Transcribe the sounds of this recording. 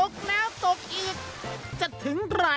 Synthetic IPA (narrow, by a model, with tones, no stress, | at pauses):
o˨˦˩k̚nɛː˦˥wso˨˩k̚ʔiː˨˩k̚ | t͡ɕa˨˩t̪ʰɯ˩˦ŋɾaː˦˥